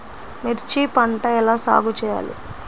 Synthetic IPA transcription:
meɾt͡ʃipɐɳʈɐɛlaːsa̰ːɡut͡ʃɛːja̰ːlḭ

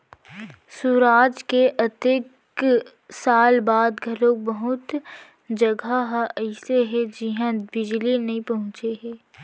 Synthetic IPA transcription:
suɾaːd͡ʒkeʔɐt̪ek | saːlbaːd̪ɡʱɐɾõk̚bɐɦʊt̪ | d͡ʒɐɡaɦɛɪseɦɛd͡ʒɪɦãbɪd͡ʒlinɐɦĩpɐɦʊ̃t͡ʃeɦɛː

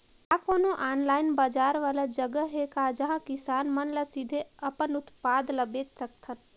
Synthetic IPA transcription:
akoːnoʔaːnlaːɪnbaːd͡ʒaːɾʋaːlad͡ʒəɡəɦekaːd͡ʒɐɦãkɪsaːnmənləsid̪ʱeɐpənʊt̪paːd̪ləbeːt̪səkt̪ʰən

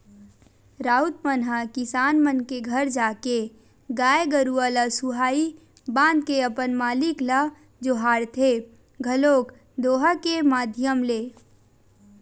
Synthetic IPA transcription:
ɾaːut̪̚mənɦakɪsaːnmənkeɡʱəɾd͡ʒaːke | ɡaːeɡəɾuələsuɦaːi | bãːnd̪̚keəpənmaːlɪklə | d͡ʒoːɦaːɾt̪ʰe | ɡʱəloːk | d̪oːɦəkemaːd̪ʱjəmleː

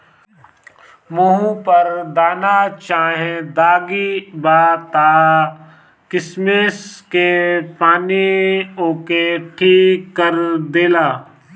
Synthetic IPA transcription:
muɦũpəɾd̪aːnat͡ʃaːɦẽd̪aːɡibaːt̪aː | kɪsmeːskepaːnioːkeʈʰiːkːəɾd̪eːlaː

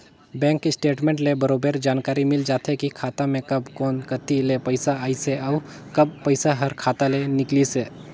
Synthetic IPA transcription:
bɛ̃ːŋkɪsʈeːʈmẽɳʈlebəɾoːbəɾd͡ʒaːnkaːɾimɪld͡ʒaːt̪ʰekikʰaːt̪amẽkɐbkɔːnkət̪ilepəɪsaaːiseaʊ | kɐb̚pəɪsaɦəɾkʰaːt̪alenɪkliseː

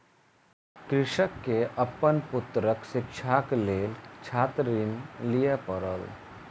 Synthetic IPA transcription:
kɾɪʃəkːeʔəpːənpʊt̪ɾəksɪkʃʰakleːlt͡ʃʰat̪ɾinlijepəɾə̰l

